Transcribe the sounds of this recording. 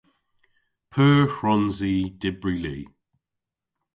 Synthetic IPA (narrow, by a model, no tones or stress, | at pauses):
pʰəːhɹɔnziːd̥ɪbɹiliː